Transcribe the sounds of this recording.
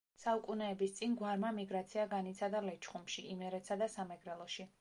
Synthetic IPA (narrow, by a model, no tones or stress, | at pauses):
saukʼunɛːbist̪sʼinɡwaɾmamiɡɾat̪sʰiaɡanit̪sʰad̪alɛt͡ʃʰχumʃiʔimɛɾɛt̪sad̪asamɛɡɾɛlˠɔʃi